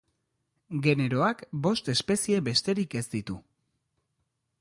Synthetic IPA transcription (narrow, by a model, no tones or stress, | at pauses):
ɡe̞ne̞ɾo̞akbo̞st̪e̞spe̞sie̞βe̞st̪e̞ɾike̞zd̪it̪u